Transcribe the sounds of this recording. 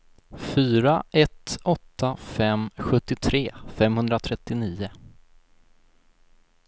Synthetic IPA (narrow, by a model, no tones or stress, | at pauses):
fyːɾaʔɛt̪ɔt̪ːafɛmɧɵt̪ːɪt̪ʰɾeːfɛmhɵnd̪ɾat̪ʰɾɛt̪ːɪniːʊ